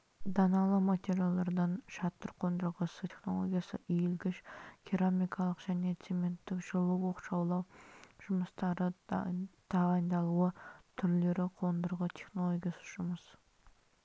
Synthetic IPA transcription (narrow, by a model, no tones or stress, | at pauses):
d̪ɑnɑlˠəmat̪ʲe̞ɾʲjalˠd̪ɑɾd̪ɑnʃɑt̪ːəɾqʰo̞nd̪əɾʁəsəeχno̞̰lˠo̰ɡʲijasə̰ʔijelɡʲɪʃkʲʰiɾamijkʰɑlˠəqʒ̥æne̞t̪seme̞nt̪ːɪkʒ̥əlˠəwwo̞qʃɑwlˠɑwʒ̥ʊməst̪ɑɾə | t̪ʰɑʁɑjnd̪ɑlˠuət̪ʰʏɾle̞ɾɪqʰo̞nd̪əɾʁət̪ʰe̞χno̞lˠoɡʲijasə̥ʒ̥ʊməs